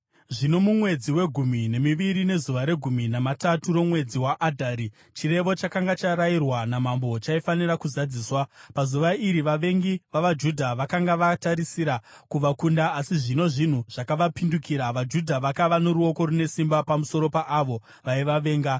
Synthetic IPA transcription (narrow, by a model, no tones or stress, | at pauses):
ʐino̞mumwe̞d͡ziwe̞ɡʱumine̞miʋiɾine̞zuʋaɾe̞ɡʱuminamataturo̞mwe̞d͡ziwaʔːdʱaːɾi | t͡ʃire̞ʋo̞t͡ʃakaŋɡat͡ʃaɾairwanamambo̞t͡ʃaifanirakuzad͡ziːswapazuʋaiɾiʋaʋe̞ŋɡiʋaʋad͡ʒudʱaʋakaŋɡaʋataɾisiɾakuʋakundaːsiʐino̞ʐin̤uʐ̥akaʋapindukiːɾaʋad͡ʒudʱaʋakaʋano̞ɾuo̞ko̞ɾune̞simbapamuso̞ɾo̞paʔːʋo̞ | ʋaiʋaʋe̞ːŋɡa